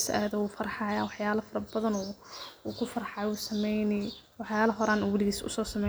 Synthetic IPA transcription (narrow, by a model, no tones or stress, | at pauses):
sʔæ̰ːðɔuːfɐɾħɑjaːwɑħjaːlɐfɐɾɐbɐðɐnʊuːkʰʊfɐɾħɑjusɐmɛjnɪwɑħjaːlɐɦɔɾaːnuːwʊliɣiːsʊ̰sɔːsɐmɛ